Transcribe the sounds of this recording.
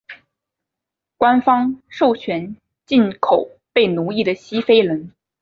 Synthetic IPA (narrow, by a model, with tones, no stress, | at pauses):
kwa˥nfɑ˥ŋʂo˥˩ʊt͡ɕʰɥɛ˧˥n | t͡ɕi˥˩nkʰo˨˩˦ʊ | pe˥˩ɪnu˧˥i˥˩d̪ə˩ɕi˥fe˥ɪlə˧˥n